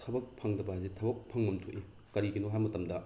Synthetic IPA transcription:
tʰɐbɐk̚pʰɐŋdɐbɐazitʰɐbɐk̚pʰɐŋmɐmtʰoʔi | kɐɾiɡinuɦajmɐtɐmdɐ

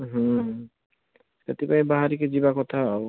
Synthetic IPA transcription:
ɦu | ʃḛt̪ipaĩbaɦaɾiked͡ʑibakɔt̪ʰa

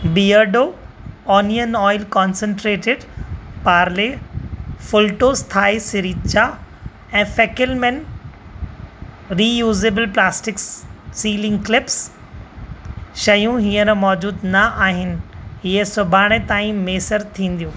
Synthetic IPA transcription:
biːəɖoː | ɔːnijənɔːɪlkɔːnsə̃ɳʈɾeːʈɪɖpaːɾle | fʊlʈoːst̪ʰaːesɪɾiːt̪t͡ɕa | ɛ̃ːfɛkɪlmɛ̃n | ɾiːjuːzeːbəlplaːsʈɪksːiːlɪ̃ŋɡklɪps | ʃɐjũɦiːə̃ɾmɔːd͡ʑuːd̪nɐʔaːɦɪnɪ̆ɦɪesʊbʱaːɽ̃et̪aːĩmeːsəɾt̪ʰĩːn̆d̪ijũː

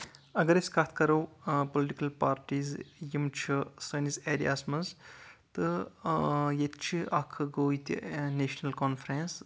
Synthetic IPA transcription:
ɐɡɐɾesʲkat̪̚ʰkɐɾɐwpoliʈikɐlpaːɾʈiːzjimt͡ʃʰisɐnisediasmɐzt̪ɨ | jet̪t͡ʃʰiɐkʰɨɡoːit̪ʲḭneʃnɐlkɔnfɾens

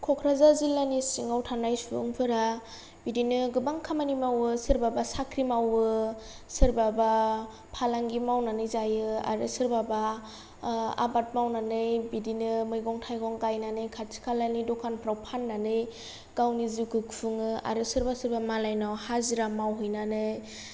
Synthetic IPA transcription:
kʰɔkʰɾazazilːanisiŋawtʰanajsṵŋpʰɯɾa | bidinɯɡɯbaŋkʰamanimawɯsɯɾbabasakʰɾimawɯ | sɯɾbaba | pʰalaŋɡimawnanɯjzajɯa̰ɾɯsɯɾbaba | a̰bat̚mawnanɯjbidinɯmɯjɡɔŋtʰajɡɔŋkajnanɯjkʰatsʰi̥kʰalanidɔkʰanpʰɾawpʰanːanɯj | ɡ̥awnizikʰɯkpʰɯŋɯa̰ɾɯsɯɾbasɯɾbamalajnɔhaziɾamawɦɯjnanɯj

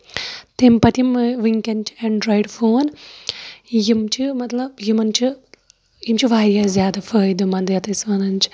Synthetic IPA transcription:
t̪empɐt̪imʋiŋkʲɐnt͡ʃi̥ɐɳɖɾoːjɖfʰoːn | jimt͡ʃimɐt̪lɐbjimɐnt͡ʃi | jimt͡ʃiʋaːɾjaːzjaːd̪afɐːjd̪umɐnd̪ɐjɐt̪ɐsʋɐnɐnt͡ʃi̥

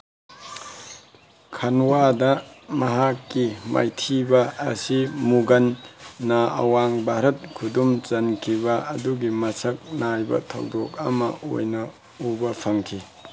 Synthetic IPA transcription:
kʰɐnwadɐmɐɦakːima̰jtʰibɐ̰ːsimuɡɐnːaɐ̰waŋbʱaɾɐt̚kʰudumt͡ʃɐnkʰibɐɐduɡimɐsɐk̚najbɐ̰tʰɐ̰wdok̚ɐ̰mɐ̰ʔo̰jnɐ | ubɐpʰɐŋkʰi

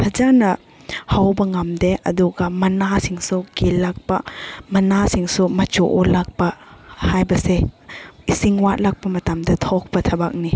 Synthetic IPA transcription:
pʰɐd͡ʒanɐ | hawbɐŋamdeɐ̰duɡɐmɐnasiŋsukilːak̚pɐmɐnasiŋsumɐt͡ʃoʔolak̚pɐhajbɐseisiŋwat̚lak̚pɐmɐtamdɐtʰɔk̚pɐtʰɐbak̚ni

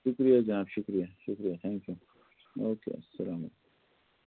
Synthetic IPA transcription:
ʃʊkɾijad͡ʒɐnaːbʃʊkɾijaʃʊkɾijat̪ʰãŋkju | oːkḛsɐlaːmɐt̪k

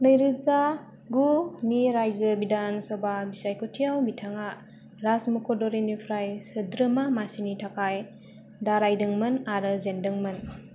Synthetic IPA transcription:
nəjɾɯza | ɡumiɾajzəbidansɔbabisajkʰutʰiawbitʰaŋa | ɾasmukʰodɔɾinipʰɾajsɯdɾɯmamasinitʰakʰaj | daɾajdɯŋmɯnaɾɯzendɯŋmɯn

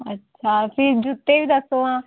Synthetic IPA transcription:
ətːʃʰapʰiɾd͡ʒut̪ːebid̪əsoːãː

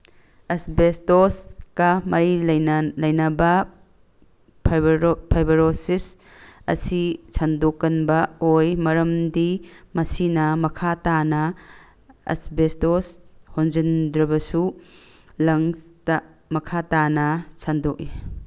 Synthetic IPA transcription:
ɐsbestoskɐmɐɾilɐjnɐbɐ | pʰpʰajbɐɾosis | ɐ̰sisʰandokːɐnbɐojmɐɾɐmdimɐsinɐmɐkʰatanɐ | ɐ̰sbestoshonzindɾɐbɐsu | lɐŋstɐ | mɐkʰatanɐsʰandok̚i

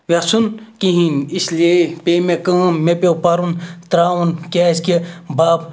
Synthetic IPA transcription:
ʋasunkiɦinisliepemekə̃mepewpaɾunt̪ɾaːwunkʲaskebaːb

